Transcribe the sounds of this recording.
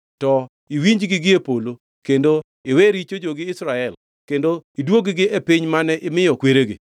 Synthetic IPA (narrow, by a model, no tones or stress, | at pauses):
tɔ | iwiɲd͡ʒɡɪɡɪepolo | kendo | ɪweɾit͡ʃod͡ʒoɡɪɪsɾaɛl | kendoidwoɡɪɡɪʔepiɲmanɛʔɪmɪjɔkweɾeɡɪ̰